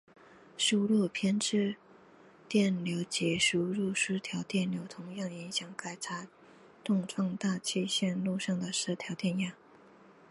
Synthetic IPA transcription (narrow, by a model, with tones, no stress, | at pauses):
ʂu˥ɻu˥˩pʰjɛ˥nʈ͡ʂɻ̩˥˧ | t̪jɛ˥˩nljo˧˥ʊt͡ɕjɛ˧˥ʂu˥ɻu˥˩ʂɻu˥t̪ʰjɑ˧˥ʊt̪jɛ˥˩nljo˧˥ʊt̪ʰʊ˧˥ŋjɑ˥˩ŋi˧˥ŋɕjɑ˨˩ŋka˥˩ɪt͡sʰa˥ | t̪ʊ˥˧ŋʈ͡ʂʰwɑ˥˧ŋt̪a˥˧t͡ɕʰi˥˧ɕjɛ˥˧nlu˥˧ʂɑ˥˩ŋd̪ə˩ʂɻ̩˥˩t̪ʰjɑ˧˥ʊt̪jɛ˥˧nja˥˩